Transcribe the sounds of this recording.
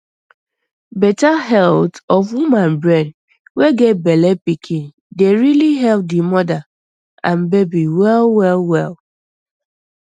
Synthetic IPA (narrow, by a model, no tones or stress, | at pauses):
bɛtaɦɛltɔfwumãnbɹɛ̃n | weɡet̚bɛlɛpikʰĩn | deɹiliɦɛlp̚dimɔda | ãnbebiwɛlwɛlwɛl